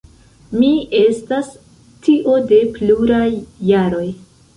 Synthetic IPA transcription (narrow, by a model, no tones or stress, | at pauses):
mie̞stas | tiʔo̞de̞pluɾajːaɾo̞j